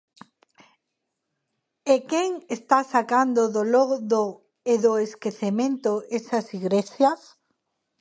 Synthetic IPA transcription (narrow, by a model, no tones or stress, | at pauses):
ekeŋest̪asakand̪oðoloɣðo | eðoeskeθemẽnt̪oesɐsiɣɾesjas